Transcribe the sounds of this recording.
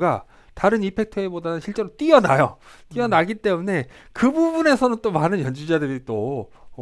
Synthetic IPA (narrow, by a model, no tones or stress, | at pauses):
ɡa | taɾɯnipʰe̞k̚tʰʌebodanɯnɕʰiɭt͡ɕ͈e̞ɾot͈iʌnajo̰t͈iʌnaɡit͈e̞mune̞ | kɯbubune̞sʰʌnɯnt͈omanɯnjʌnd͡ʑid͡ʑadɯɾit͈o